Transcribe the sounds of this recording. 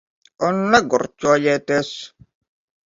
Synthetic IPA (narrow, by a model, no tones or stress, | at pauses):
ɔnlaɡɔɾt͡ʃɔjɛtɛs